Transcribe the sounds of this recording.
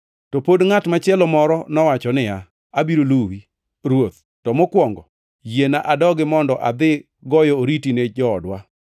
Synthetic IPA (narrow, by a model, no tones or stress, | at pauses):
tɔpodŋatmat͡ʃɪɛlɔmɔɾɔnɔwat͡ʃɔnɪja | abiɾoluwi | ɾwot̪̚ | tɔmokwɔŋɡɔ | jenaʔadɔɡɪmɔndɔʔad̪ɪ | ɡɔjɔoɾitined͡ʒɔːdwa